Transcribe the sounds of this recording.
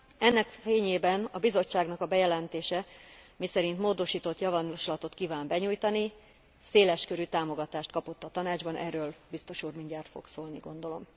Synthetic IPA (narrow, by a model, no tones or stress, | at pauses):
ɛnːɛkfeːɲeːbɛnɒbizo̞t͡ʃːaːɡnɒkɒbɛjɛlɛnt̪eːʃɛmisɛɾint̪moːd̪o̞ʃiːt̪o̞t̪jɒvɒnʃlɒt̪o̞t̪kiːvaːmbɛɲujt̪ɒni | seːlɛʃkø̞ɾyt̪aːmo̞ɡɒt̪aːʃt̪kɒpo̞t̪ːɒt̪ɒnaːd͡ʒbɒnʔɛ̰rːøːlbist̪o̞ʃuːrmiɲɟaːrt̪fo̞̰ɡsoːlniɡo̞nd̪o̞lo̞m